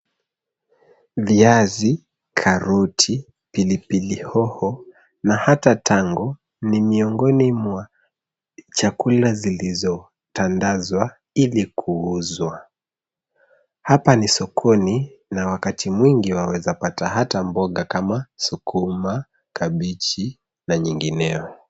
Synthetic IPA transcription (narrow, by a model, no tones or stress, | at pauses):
viazi | kʰaɾutʰi | pilipilihɔhɔ | nahatatʰaŋɡɔ | nimiɔŋɡɔnimwa | t͡ʃakulazilizɔ | tandazwa | ilikʰuuzwa | hapanisɔkʰɔninawakatʰimwiŋɡiwawɛzapatahatambɔɠakamasukʰuma | kaɓit͡ʃi | naɲiŋɡinɛɔ